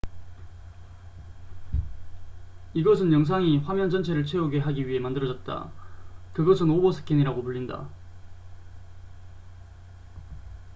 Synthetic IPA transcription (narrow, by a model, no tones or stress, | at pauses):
iɡʌs̬ʰɯnjʌŋs̬ʰaŋiɸwamjʌnd͡ʑʌnt͡ɕʰe̞ɾɯɭt͡ɕʰwe̞uɡe̞ɦaɡiɥiɦe̞mandɯɾʌd͡ʑʌt̚t͈a̰kɯɡʌs̬ʰɯnobʌsʰɯ̥k͈ʰiniɾaɡopuɭʎːinda̰